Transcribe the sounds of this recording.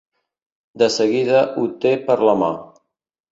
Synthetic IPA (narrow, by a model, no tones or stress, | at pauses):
d̪əsəɣiðəʔut̪epəɾləma̰